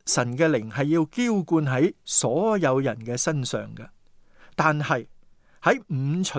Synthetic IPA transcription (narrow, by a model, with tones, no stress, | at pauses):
sɐ˨˩nkɛː˧lɪ˨˩ŋɦɐ˨jːiː˧wkiː˥wkuː˧nɦɐ˨˥jsɔː˨˥jɐ˨˧wjɐ̰˨˩nkɛː˧sɐ˥nsœ̰ː˨˩ŋkɐ˧ | t̪aː˨nhɐ˨j | hɐ˨˥jm̩˨˧t͡sʰɵ˨˩